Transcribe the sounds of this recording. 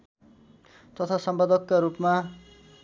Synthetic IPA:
t̪ʌt̪ʰasʌmpad̪ʌkːaɾupma

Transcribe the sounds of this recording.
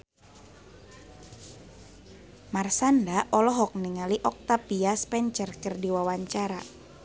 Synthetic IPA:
marsandaʔɔlɔɦɔk̚niŋaliʔɔk̚t̪apiaspɛɲt͡ʃərkərdiwawaɲt͡ʃaɾa

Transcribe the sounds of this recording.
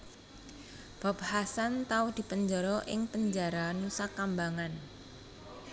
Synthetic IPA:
b̥a̤p̚hasant̪aud̪̥i̤pəɲd͡ʒɔɾɔʔɪ̰ŋpəɲd͡ʒaɾanusakambaŋan

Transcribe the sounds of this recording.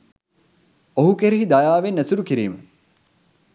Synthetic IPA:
oɦukeɾiɦid̪ajaːʋenæsuɾukiɾiːmə

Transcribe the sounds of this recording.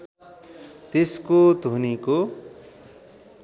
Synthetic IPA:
t̪eskod̪ʱuniko

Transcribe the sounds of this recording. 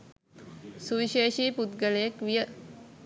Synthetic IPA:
suʋiʃeːʃiːput̪ɡələjekʋijə

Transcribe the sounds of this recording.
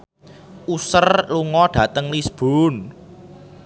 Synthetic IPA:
ʔusərluŋɔɖ̥ä̤t̪əŋlisb̥on

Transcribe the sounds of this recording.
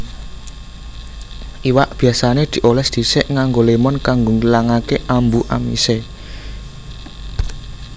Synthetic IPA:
ʔiwaʔb̥i̤asaned̪̥i̤ʔolɛsd̪̥i̤sɪʔŋaŋɡolemɔnkaŋɡoŋilaŋakeʔambuʔa̰mḭse

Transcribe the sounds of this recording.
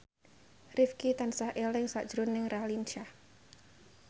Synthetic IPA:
rifkit̪ansahʔelɪŋsaʔʒ̥ɾʊnːɪŋralint͡ʃa

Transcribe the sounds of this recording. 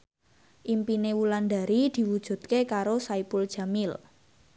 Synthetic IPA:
ʔimpinewuland̪a̤ɾid̪̥i̤wud̥ʒ̥ṳd̪̥̚kekaɾosaipuld̥ʒ̥a̤mɪl

